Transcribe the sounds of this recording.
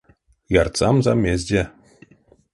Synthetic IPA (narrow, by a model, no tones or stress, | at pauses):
jɑrt̪sɑmzɑmʲːezʲdʲe